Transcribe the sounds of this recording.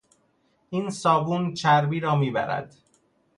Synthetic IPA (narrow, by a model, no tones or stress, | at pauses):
ʔiːnsɒːbuːnt͡ʃʰæɾbiːɾɒːmiːbæ̰ɾæ̰d̪̥